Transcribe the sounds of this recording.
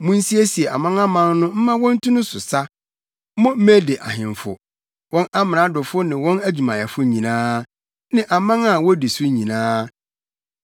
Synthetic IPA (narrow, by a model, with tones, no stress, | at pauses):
mʊ̃˦n̩˦si˦e˦si˨ɛ˨a̰˨mã˦ŋa˦mã˦n˦nʊ̃˦m̩˦mã˦wɔ̃˦n̩˦tʰũ˦nʊ̃˦sʊ˨sa˦ | mɔ̃˦m̩˦mæ˦de˨ʔa˨hɪ̃˨ɱ˨fʊ̰˨ | wɔ̃˦na˦mɪ̃˨ã˨˦dʊ˨fʊ˦nɪ̃˨wɔ̃˦næ˦d͡ʑᶣu˨mã˨jɛ˨fʊ˦ɲĩ˨nãː˦ | nɪ̃˦˨ʔa˨mã˦ŋa˦˨wɔ˦di˨sʊ˦ɲĩ˨nãː˦